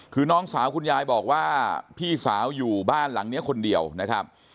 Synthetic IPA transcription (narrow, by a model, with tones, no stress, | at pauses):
kʰɯː˧˩nɔː˦˥ŋsaː˩˦wkʰu˧njaː˧jbɔː˨˩k̚waː˥˩pʰiː˥˩saː˩˦wjuː˨˩baː˥˩nla˩˦ŋni˦˥ɐkʰo˧ndi˧əwna˦˥kʰɾa˦˥p̚